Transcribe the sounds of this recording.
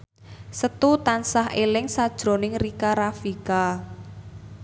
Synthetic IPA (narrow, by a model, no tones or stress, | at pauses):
sət̪ut̪ansaɦʔelɪŋsad̥ʒ̥ɾo̤nɪŋrikaɾafika